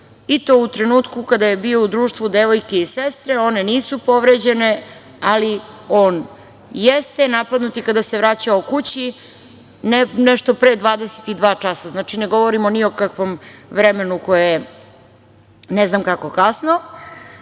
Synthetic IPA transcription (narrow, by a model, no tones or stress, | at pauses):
it̪o̞ːut̪ɾenuːt̪kukad̪aje̞bio̞ud̪ɾuːʃt̪ʋud̪eʋo̞jkeisest̪ɾeo̞ne̞niːsupo̞ʋɾed͡ʑe̞ne | ali | o̞ːn | jest̪enapad̪nut̪ikad̪ase̞ʋɾat͡ɕaokut͡ɕi | nenɛʃt̪o̞pɾeːd̪ʋaːd̪ese̥t̪id̪ʋaːt͡ʂasaznaːt͡ʃineɡo̞ʋoɾimo̞niokakʋo̞mʋɾemenuko̞jeje | neznamkako̞kasno